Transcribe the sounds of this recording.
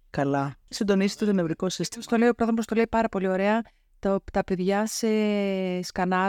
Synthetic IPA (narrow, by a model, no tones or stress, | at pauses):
kɐlɐsind̪o̞nizit̪ut̪onevɾiko̞sist̪ist̪o̞le̞jio̞pɾoðmpost̪o̞le̞ipɐɾɐpo̞lio̞ɾe̞ɐ | t̪ot̪ɐpe̞ðʝɐseskɐnɐ